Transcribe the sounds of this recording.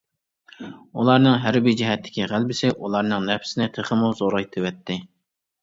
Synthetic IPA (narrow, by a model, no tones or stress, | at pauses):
ulˠɑɾnɨŋɦæɾbɪd͡ʒɪɦɛt̪ʰːɪ̥kʲiʁælbɪsɪʔulˠɑɾnɨŋnɛpʰsɪnɪt̪ʰeχəmuzoɾɑjt̪ʰɨwɛt̪ʰːɪ